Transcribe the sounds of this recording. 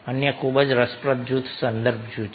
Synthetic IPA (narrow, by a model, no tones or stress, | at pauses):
ənjəkʰubəd͡ʒɾəspɾət̪̚d͡ʒut̪ʰsənd̪əɾb̚ʰʱd͡ʒut͡ʃ